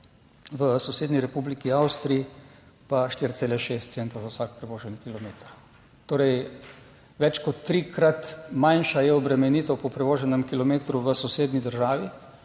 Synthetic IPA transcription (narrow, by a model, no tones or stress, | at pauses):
ʋəsɔseːd̪niɾɛpublikiawst̪ɾii | paʃt̪iɾt̪seːlɛʃeːst̪t̪sent̪azawsaːk̚pɾɛʋoːʒɛnikilɔmeːt̪əɾ | t̪oːɾɛj | ʋɛt͡ʃkɔt̪ːɾikɾat̪manʃajɛɔbɾɛmɛniːt̪ɔwpɔpɾɛʋoːʒɛnɛmkilɔmeːt̪ɾuʋəsɔseːd̪nid̪əɾʒaːʋi